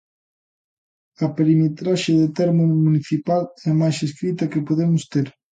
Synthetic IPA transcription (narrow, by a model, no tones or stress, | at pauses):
ɐpeɾimet̪ɾaʃeðet̪ɛɾmʊmuniθipalɛmajseskɾit̪ɐkepoðemʊst̪eɾ